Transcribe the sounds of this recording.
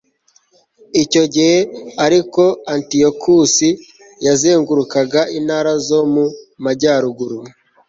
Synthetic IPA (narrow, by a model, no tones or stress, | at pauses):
ico̞ɟihe̞aɾiko̞antiokʰusi | jazeːŋɡuɾukaɡaʔinaːɾazo̞mumaɟaːɾuɡuɾu